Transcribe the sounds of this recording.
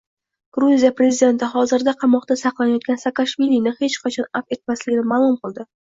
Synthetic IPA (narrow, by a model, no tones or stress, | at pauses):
ɡ̥ɾuzijapɾe̞zɪd̪e̞nt̪ɪχɒzɪɾd̪aqʰɑmɒqt̪asɑqlˠanajɒt̪̚ɡʲansakaʃvilinɪhe̞t͡ʃqʰɑt͡ʃʰɒnafe̞t̪̚maslɪɡʲɪnɪmaːlˠʊmqɨlˠd̪ɪ